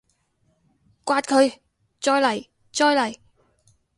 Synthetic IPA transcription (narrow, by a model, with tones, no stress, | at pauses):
kʷaː˧t̚kʰɵ˨˧ɥ | t͡sɔː˧jlɐ˨˩j | t͡ʃɔː˧jlɐ˨˩j